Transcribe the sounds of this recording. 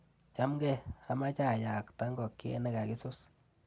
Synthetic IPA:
t͡ʃa˦mɡɛ˦a˦ma˦t͡ʃa˦˨ja˨kta˦ŋɡɔ˨kːi˦ḛ˦nɛ˦ɡa˨ki˦sʊ˦s

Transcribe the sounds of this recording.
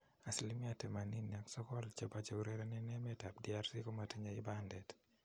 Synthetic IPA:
a˨si˨li˦mi˦a˨tɛ˨ma˨ni˦nja˨ksɔ˦kɔ˦lt͡ʃa˨ba˦t͡ʃo˨uɾe˦ɾɛ˦nɛ˦nɛ˦mɛ˦ta˨p̚di˦a˦ɾsi˦ko˦ma˨ti˦ɲa˨i˦bandɛ˨t

